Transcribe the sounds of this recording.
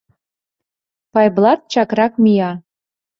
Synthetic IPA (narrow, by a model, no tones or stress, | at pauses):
pɑjblˠɑt̪̚t͡ɕɑkrɑkmijɑ